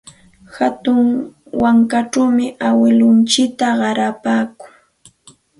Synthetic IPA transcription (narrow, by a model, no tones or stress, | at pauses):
hat̪ʊŋ | waŋkaʈ͡ʂawmɪʔawɪlʊnt͡ʃɪk̚t̪aɢɑɾapaːkʊŋ